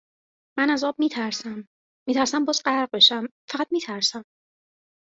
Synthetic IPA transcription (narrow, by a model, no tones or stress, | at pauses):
mænæzɒːb̚miːt̪ʰæɾsæmː | iːt̪ʰæɾsæmbɒːzɢæɾɢ̚be̞ʃæmfæʁæt̪̚miːt̪ʰæɾsæm